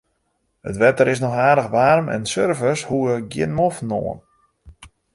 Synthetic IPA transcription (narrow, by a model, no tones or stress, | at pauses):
ə̰tʋɛtəɾɪs̬nɔxaːdəxʋaːrmɛ̰nsørvəshuəɡjɪ̰nmofno̰ːən